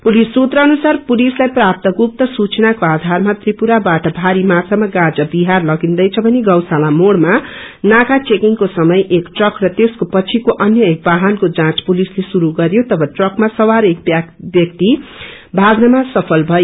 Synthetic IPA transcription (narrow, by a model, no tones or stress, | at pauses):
pulisːut̪rʌːnusarpulislajprap̚t̪ʌɡup̚t̪ʌsut͡snakoad̪ʱarmat̪ripuɾabaʈʌbʱaɾimat͡sʰamaɡãd͡zʌbiɦarlʌɡind̪ʌjt͡sʰʌbʱʌneɡʌwsalamoɽma | nakat͡sekiŋkosʌmʌjʔekʈrʌkrʌt̪eskopʌt͡sʰikoʔʌnjʌek̚baɦankod͡zãt͡spulislesuɾuɡʌɾjot̪ʌbʱʌʈrʌkmasʌwaɾekbbjʌk̚t̪i | bʱaɡnʌmasʌpʰʌlbʱʌjo